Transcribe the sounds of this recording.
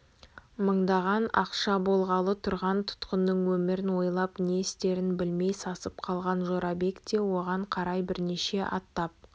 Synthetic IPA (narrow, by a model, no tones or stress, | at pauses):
məɴd̪ɑʁɑnɑqʃɑbo̞lˠʁɑlˠət̪ʰʊɾʁɑnt̪ʰʊ̥t̪qənːəɴwɵmɪɾɪnwo̞jlˠɑpne̞ɪst̪e̞ɾɪnbɪlme̞jsɑsəp̚qʰɑlˠʁɑnʒo̞ɾɑbe̞kt̪e̞wo̞ʁɑɴqʰɑɾɑjbɪɾneʃe̞ʔɑ̰t̪ːɑp̚